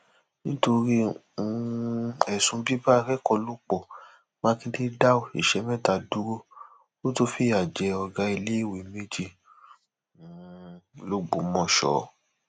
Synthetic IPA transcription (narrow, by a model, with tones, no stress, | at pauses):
nĩ˦to˧ɾi˦ | ũ˨˦ɛ˨sũ˧bi˦ba˦˧˨ɾɛ˦kɔ˧lo˦k͡pɔ˦˨ | mã˦kĩ˦ti˦da˦o˨i˨ʃɛ˨˦mɛ̃˦˨ta˧˨du˦ɾo˦ | wo˦to˦fi˦a˨d͡ʒɛ˨˦ɔ˧ɡa˧i˧le˦i˦˨we˨me˦d͡ʒi˧˨ | lo˦ɡ͡bo˨˦mɔ̃˦˨ʃɔ̰˨˦